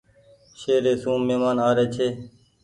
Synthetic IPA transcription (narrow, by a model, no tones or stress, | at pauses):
ʃeːɾeːsũːmeːmaːnaːɾeːt͡ʃʰeː